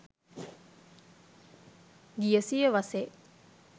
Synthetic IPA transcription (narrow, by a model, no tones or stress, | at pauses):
ɡijəsijeʋɐseː